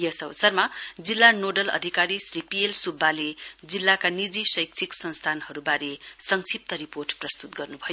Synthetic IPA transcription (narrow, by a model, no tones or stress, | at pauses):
jʌsʌwsʌrmad͡zilːanoɖʌlʌ̰d̪ʱikaɾisripielsubːaled͡zilːakanid͡zisʌjk̚t͡sʰiksʌnst̪ʰanhʌɾubaɾesʌŋsʰip̚t̪ʌɾiporʈprʌst̪ut̪ɡʌrnubʱʌjo